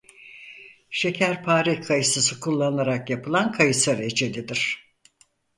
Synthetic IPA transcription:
ʃe̞cʰæɾpʰaːɾikʰajɯsɯsɯkʰulˠːannaɾakjapʰɯlˠankʰajɯsaɾed͡ʒelʲid̪iɾ̥

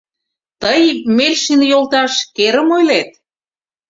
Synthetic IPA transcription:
t̪əjmelʲʃinjolt̪ɑʃkeɾə̆mojlet̪̚

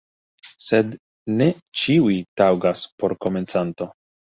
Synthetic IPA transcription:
se̞d | ne̞ | t͡ʃiujtawɡaspo̞ɾko̞me̞nt͡santo̞

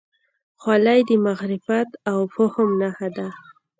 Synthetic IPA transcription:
xwalajd̪əmaɣɾɪfat̪awpʊhʊmnahad̪a

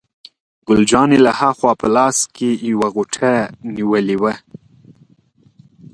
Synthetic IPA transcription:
ɡʊld͡ʒɑnelahaxwɑpəlɑskejwaɣʊʈʰaniwəliwə

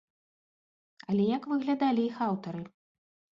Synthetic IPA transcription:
alʲɛjakvɨɣlʲad̪alʲiixawt̪ɐɾɨ

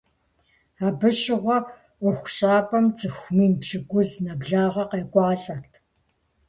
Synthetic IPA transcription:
aːbɨʃɪʁʷɔ | ʊxʷɕʼaːpʰʼɐmt͡sʼɨxʷmiːmpʃɪɡʷʊznɐbɮaːʁɐqeːkʷʼɑːɬʼɐrtʰ

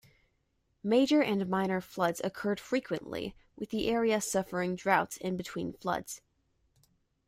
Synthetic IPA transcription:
meɪd͡ʒə˞ʔɨ̃nmãɪ̃nə˞flʌdz̥ɨ̰kʰɜ˞d̥fɹikʰwɨ̰̃nʔlḭwʔɨðiʔɛɹiɨsʌfə˞ɪ̃ŋdɹaʊtsɨ̃nbɨtʰw̥ḭ̃nflʌ̰dz̥

